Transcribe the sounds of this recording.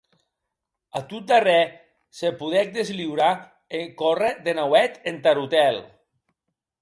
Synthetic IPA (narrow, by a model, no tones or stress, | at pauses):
at̪ut̪d̪arɛ | sepuðɛk̚d̪ezliwɾa | eŋkoreðenawɛt̪ent̪aɾut̪ɛl